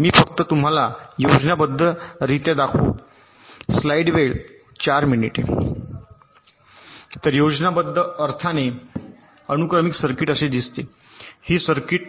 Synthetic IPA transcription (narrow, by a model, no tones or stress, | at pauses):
miːfəkt̪ət̪um̤alajod͡ʑnabəd̪ʱːəɾit̪jed̪akʰṵː | slaiɽʋeɭ | t͡ɕaɾminiʈḛ | t̪əɾjod͡ʑnabəd̪ʱːəəɾt̪ʰane | ənukɾəmiksəɾkiʈəsed̪ist̪e | hiːsəɾkiʈ̚